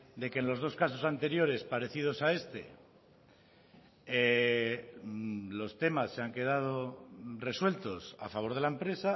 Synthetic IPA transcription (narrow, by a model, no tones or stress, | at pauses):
d̪e̞kenlo̞zð̞o̞skas̬o̞sant̪e̞ɾjo̞ɾe̞spaɾe̞θið̞o̞sae̞st̪e̞̰ | e | lo̞st̪e̞masːe̞aŋke̞ð̞að̞o̞re̞swe̞lt̪o̞sa̰faβ̞o̞ɾð̞e̞laempɾe̞sa